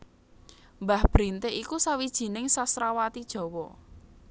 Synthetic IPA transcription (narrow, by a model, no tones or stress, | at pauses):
mbahb̥ɾint̪eikusawid̥ʒ̥i̤nɪŋsasɾawat̪id̥ʒ̥ɔ̤wɔ